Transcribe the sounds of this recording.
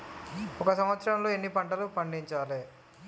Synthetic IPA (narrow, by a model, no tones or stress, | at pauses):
ɔkɐsɐmʋɐt̪sɐɾɐmloːenːipɐɳʈɐlupɐɳɖiɲt͡ʃaːleː